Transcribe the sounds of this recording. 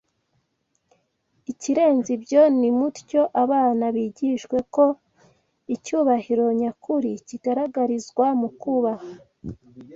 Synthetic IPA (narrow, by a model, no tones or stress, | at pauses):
iciɾe̞ːnzibɟo̞nimuɾco̞ʔaβaːnaβiːɟiʃwe̞ko̞ | icuːβahiɾo̞ɲakuɾiciɡaɾaɡaɾizɡwamukuβaha